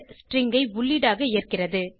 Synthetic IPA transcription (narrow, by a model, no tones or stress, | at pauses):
sʈrɪŋɡɐɪʋʊɭːiːɽaːɣɐɪːɐrkɪrɐðɯ